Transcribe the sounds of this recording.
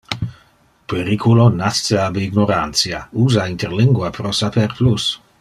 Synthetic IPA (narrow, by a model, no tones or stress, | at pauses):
peɾikʰulonastəabiɡnoɾansjauːzaint̪eɾliŋɡwapɾɔsapɛɾplus